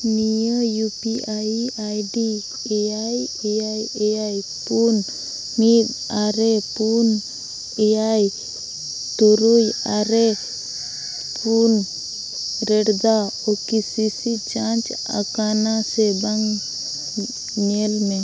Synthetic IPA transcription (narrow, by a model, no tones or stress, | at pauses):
nijəjupiaajɖi | eajeajeaj | pun | mib | aɾepun | eaj | t̪uɾujaɾe | pun | ɾɛɽd̪aokisisit͡ʃãnt͡ʃ | a̰kanasebaŋ | ɲelme